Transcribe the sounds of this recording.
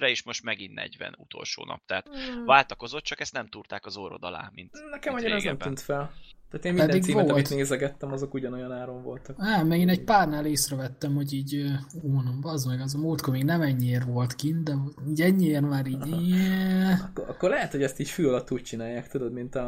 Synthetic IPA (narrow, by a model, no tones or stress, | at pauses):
rɛiːʃmo̞ʃt̪mɛɡinːɛ̰ɟvɛ̰nut̪o̰lʃo̰ːnɒ̰p̚t̪ɛːt̪vaːlt̪ɒko̞zo̞t̪̚t͡ʃɒkɛst̪nɛmt̪urt̪aːkɒzoɾo̰d̪ɒ̰la̰ːmint̪nɛkɛmɒɲːeɾɛznɛmt̪yːnt̪fɛlt̪aːt̪eːnmiɛd̪iɡ̪siːmɛɒmit̪neːzɛɡɛt̪ːɛmɒzo̞kuɟɒno̞jɒnaːɾo̞ɱvo̞̰lt̪ɒkaːmɛɡeːnɛɟpaːrnaːleːsrɛvɛt̪ːɛmho̞ɟiːɟøunɒmbɒzmɛɡɛzɒmult̪komeːɡnɛmɛɲːieːrvo̞lt̪kint̪d̪ɛmoiːɟɛɲːieːrmaːɾiːɟjɛɒkːoʔɒkːoɾlɛɦɛt̪hoɟɛst̪iːcfyːɒlɒt̪ːuːc̚t͡ʃinaːjaːkt̪ud̪o̞d̪mint̪ɒ